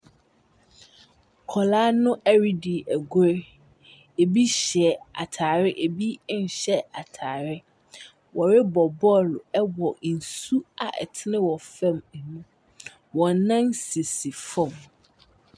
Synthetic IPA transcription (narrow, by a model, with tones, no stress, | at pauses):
kʰɔ˨laː˦nʊ̃˦ʔæ˦ɾi˦di˨ʔæ˨ɡɛ˦ | e˨bi˦ɕɛ˨a̰˨tʰaː˨ɾɪ˦ʔe˨bi˦n̩˨ɕɛ˦a˨tʰaː˨ɾɪ˦ | wʔɔ˨ɾɪ˦bɔ˨bɔ˦lʊ˨ɛ˦wɔ˨n̩˨su˦a˨ʔɛ̰˨tʰɪ˦nɪ̃˦wɔ˨fɛ̃˦˨mɛ˨nũ˦ | wɔ̃˨˦nã˦nsi˨si˨fɔ̃˦˨m